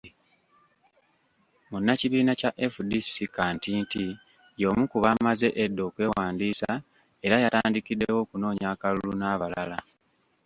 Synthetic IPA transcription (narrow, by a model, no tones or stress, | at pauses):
munːaciβiːnacaʔefudisikaːntinti | jo̞ːmukuβamaze̞ʔedːo̞ːkwe̞ːwaːndiːsa | e̞ɾajataːndikidːewo̞ːkuno̞ːɲaːkalulunaːβalala